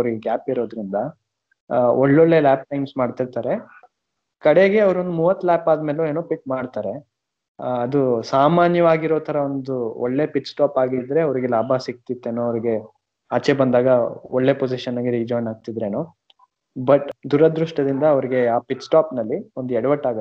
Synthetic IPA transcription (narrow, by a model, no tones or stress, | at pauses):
ɐʋɐɾiɡeɡaːpiɾo̞ːd̪ɾind̪ɐ | oɭːoɭːe̞laːp̚ʈɐjmsmaːɖt̪ilt̪aːɾe | kɐɽe̞ɡe̞ɐʋɾuond̪umuːʋɐt̪ːlaːpaːd̪me̞ːloeːnoːpiʈmaːɽt̪aːɾe̞ | ɐd̪usaːmaːnjɐʋaːɡiɾoːt̪ʰɐɾɐond̪uɔɭːe̞piʈsʈaːpaːɡid̪ɾe̞ɐʋɐɾiɡelaːbʱɐsik̚t̪it̪ːenoɐʋɐɾiɡe̞ | aːt͡ʃebɐnd̪aːɡɐoɭːe̞pod͡ʒiʃɐnɐɡeɾiːd͡ʒaːjnaːɡ̚t̪id̪ɾenu | bɐʈd̪uɾɐd̪ɾuʂʈɐd̪ind̪ɐːʋɐɾiɡe̞aːpiʈsʈaːpnɐlːiond̪uɛɽɐʋɐʈːaːɡt̪ː